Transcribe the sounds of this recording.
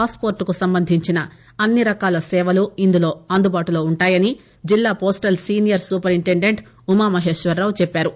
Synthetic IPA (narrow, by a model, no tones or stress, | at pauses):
aːspo̞ːɾʈkusɐmbɐnd̪ʱiɲt͡ʃinɐ | ɐnːiɾɐkaːlɐsɛːʋɐluind̪ulo̞ːɐnd̪ubaːʈulo̞ːuɳʈaːjɐni | d͡ʒilːaːpoːsʈɐlsiːnijɐɾsuːpɐɾiɳʈeɳɖe̞ɳʈ | umamɐɦe̞ːʂʋɐɾːɐːwut͡ʃɛpːaːɾu